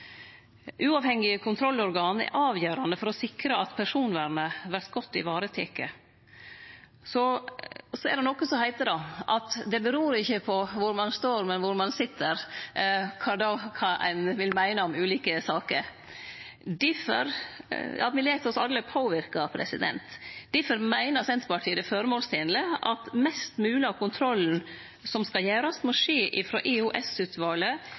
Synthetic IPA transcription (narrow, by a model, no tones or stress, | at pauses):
ʔʉːɑːʋhɛŋːɪkʰʊnt̪ʰɾɔlːɔɾɡɑːnɛ̰ɾʔɑːʋjøːɾɑnd̪əfɔɾɔsɪkɾəɑt̪pʰæʂuːnʋæːɾnəʋæɾt̪ɡ̥ɔt̪ːɪ̰ʋɑːɾət̪ʰeːkə | sɔ | sɔɛɖ̪ɛnɔkːəsɔhæɪt̪əd̪ɑʔɑt̪d̪ɛbəɾuːɾɪçːəpʰɔʋʊɾmɑnst̪oːɾmɛnʋʊɾmɑnsɪt̪ʰːəɾ | kʰɑd̪ɑkʰɑʔæ̰ɪnʋɪlmæɪnəɔmʉːliːkəsɑːkəɾ | d̪ɪfə̰ɾ | ɑ̰ʋɪleːt̪ʰɔsɑlːəpʰoːʋɪɾkɑpʰɾɛ̰sɪ̰d̪ɛ̰nt̪d̪̥ɪfəɾmæɪnəsɛnt̪bɑʈʰiːd̪ɛfɔɾəmoːlst̪ʰɪnələʔɑ̰t̪mɛst̪mʉːlɪɑkʰʊnt̪ʰɾɔln̩ | sɔmskɑljæːɾɑst̪mɔʂeːʔɪfɾo̰ːʔɪhʊʔɛsʉːt̪ʰʋɑːlə